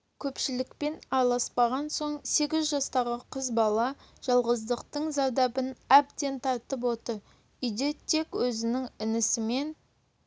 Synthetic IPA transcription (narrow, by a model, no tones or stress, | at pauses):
kʲʰɵpʃɪlɪkpe̞nɑɾlˠɑspɑʁɑnso̞ɴse̞ɡʲɪzʒɑst̪ɑʁəqʰəzbɑlˠɑʒ̥ɑlˠʁəzd̪əqt̪əɴzɑd̪ɑbənæb̚d̪e̞nt̪ʰɑt̪əp̬wo̞t̪əɾ | ʏjd̪e̞t̪ʰe̞kwɵzɪnɪŋɪnɪsɪme̞n